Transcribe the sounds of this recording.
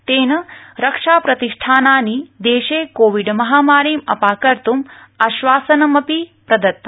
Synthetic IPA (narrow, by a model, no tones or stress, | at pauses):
t̪eːnɐɾɐkʂaːpɾɐt̪iʂʈʰaːnaːnid̪eːʃeːkoːʋiɖmɐɦaːmaːɾiːmɐ̰paːkɐɾt̪um | ɐʃʋaːsɐnɐmɐpipɾɐd̪ɐt̪ː